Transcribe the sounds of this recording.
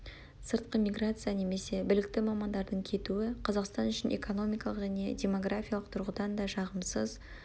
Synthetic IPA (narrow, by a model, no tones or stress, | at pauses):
səɾt̪̚qəmʲijɡrat̪sɨjane̞me̞se̞bɪlɪk̚t̪ɪmɑmɑnd̪ɑɾd̪əɴkʲʰe̞t̪uɪqʰɑzɑqst̪ɑnʏʃɪnʔe̞̰ko̞no̞mʲijkɑlˠəqʒæne̞̰dʲe̞mo̞ɡrafʲijalˠəq̚t̪ʰʊɾʁəd̪ɑnd̪ɑʃɑʁəmsəz